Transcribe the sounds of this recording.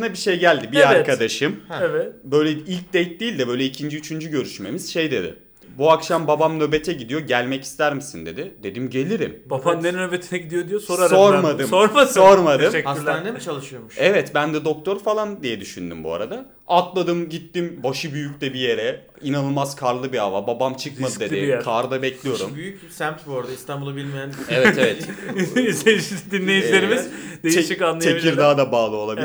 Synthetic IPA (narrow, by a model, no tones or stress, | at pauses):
ɯnabiʃejɟælʲd̪ibiaɾkʰad̪aʃɯmɛvɛbø̞jlʲɛilʲc̚d̪ejt̪̚d̪iːlʲd̪ɛbø̞jlʲɛicʰind͡ʒiyt͡ʃʰynd͡ʒyɟøɾyʃme̞miz̥ʃe̞jd̪e̞d̪ɪ̰ | buakʃambabamnø̞bet̪ʰɛɟid̪ijo̞ɟælʲmɛci̥st̪ʰæɾmisind̪e̞̰d̪ɪd̪e̞d̪imɟe̞lʲiɾḭmbafanɛnnøbet̪ʰinɛɟid̪ijod̪ijososɾaɾoɾmad̪ɯsmoɾmaso̞ɾmad̪ɯʃɛlʲd̪t͡ʃʰalˠɯʃɯjomʃɛvɛt̪bænd̪ɛd̪o̞k̚t̪ʰo̞ɾfalˠand̪ijɛd̪yʃynd̪y̰mbua̰ɾa̰d̪a | at̪lˠad̪ɯmɟit̪ːimbaʃɯbyjycʲt̪ɛbije̞ɾɛ | inanɯmazkʰaɾlˠɯbiavababamt͡ʃʰɯkmad̪ɯd̪eekʰaːɾɯd̪abɛclʲijo̞ɾumbyjyc̚sæmt̪buoɾad̪aist̪ʰanbulˠabilʲmijænevɛt̪evɛt̪ | ʃd̪inːʲejilʲe̞ɾimiz̥d̪et͡ʃikanːˠajt͡ʃeabicʰiɾd̪aːd̪abaːlˠɯo̞lˠabi